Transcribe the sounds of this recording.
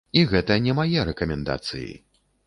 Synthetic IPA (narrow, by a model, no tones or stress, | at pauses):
iɣɛt̪ɐnʲɛmajɛɾɛkɐmʲɛnd̪a̰t̪sɨ̰jḭ